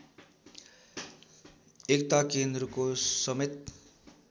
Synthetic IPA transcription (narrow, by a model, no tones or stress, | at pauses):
ekt̪akend̪ɾʌkosʌmet̪̚